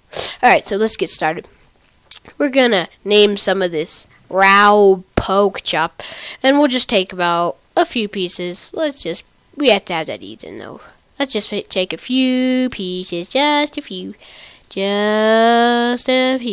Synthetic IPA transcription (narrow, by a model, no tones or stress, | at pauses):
ɑlˠɹaɪtsoʊlətsɡ̥ɛtstɑɹɾɨd̥̚ | wɪɹɡʌnɨ | nẽɪ̃msʌ̃mʌvðɪs | ɹaʊpʰoʊkt͡ʃʰɑp̚ɨ̃nwilˠd͡ʒʌstʰeɪkəbaʊɾ̚ | əfjʉpisɪz̥lətsd̥ʒ̥ʌst̚ | wihæftɨːvðɨ̰ɾḭdzɨ̰̃nðo̰ʊ | lətsd̥ʒ̥ʌsptʰeɪkɨfjʉpʰisɪzd͡ʒʌstɨfjʉ̥d͡ʒʌ | stɨf